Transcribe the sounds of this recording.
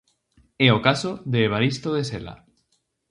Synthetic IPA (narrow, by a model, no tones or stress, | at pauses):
eokasoðeːβ̞aɾist̪oðesela̰